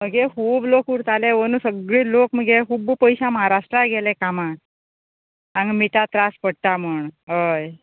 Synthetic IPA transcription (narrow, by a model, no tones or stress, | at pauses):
məɡekuːblokuɾt̪aleʋənũsəɡɭiːlokm̤əɡekuːbpəjsãməɦaɾaʂʈɾaɡelekamã | ãŋɡmit̪at̪ɾaspəɽ̚t̪aməɳɦəj